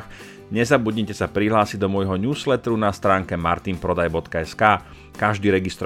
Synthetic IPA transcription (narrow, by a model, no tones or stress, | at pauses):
x | ɲɛzabuɟɲicɛsapɾiɦlaːsid̪ɔmʊɔjɦɔɲuːslɛt̪ɾunast̪ɾaːŋkɛmaɾt̪inpɾɔd̪ajbɔt̪kaɛskaː | kaʒd̪iːɾɛɡist̪ɾ